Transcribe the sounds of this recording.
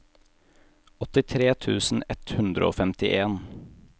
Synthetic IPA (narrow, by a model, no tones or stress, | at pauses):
ɔt̪ɪt̪ʰɾeːt̪ʰʉːsn̩ɛt̪hʉnd̪ɾə̰o̰ːfɛmt̪ɪʔeːn